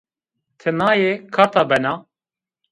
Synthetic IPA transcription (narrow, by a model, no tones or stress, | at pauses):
t̪ʰɨnɑːjekʰɑːt̪ɑːbɛnɑː